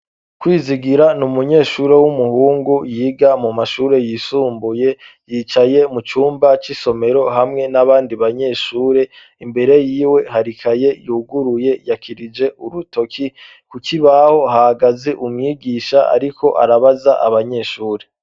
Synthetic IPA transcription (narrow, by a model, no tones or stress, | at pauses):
kwiːziɡiɾanumuɲe̞ːʃuːɾe̞wumuhuːŋɡujiːɡamumaʃuːɾe̞jisuːmbuje̞ | jiːt͡ʃaje̞mut͡ʃuːmbat͡ʃiso̞me̞ɾo̞ɦamŋe̞naβaːndiβaɲe̞ːʃuːɾe̞ | imbe̞ɾe̞jiːwe̞ɦaɾikʰaje̞juuɡuɾuje̞jakʰiɾid͡ʒe̞ʔuɾuto̞kʰi | kukiβaho̞hahaɡazeʔumɲiːɡiːʃaa̰ɾikʰo̞ʔa̰ɾaβazaʔa̰βaɲe̞ːʃuːɾe̞